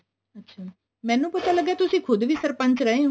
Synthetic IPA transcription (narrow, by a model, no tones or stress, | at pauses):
ətːɕʰaː | mɛ̃ːnũpɐt̪aləɡet̪ʊsĩkʰʊd̪ʱʋʱisəɾpə̃nt͡ʃɾɐɦẽ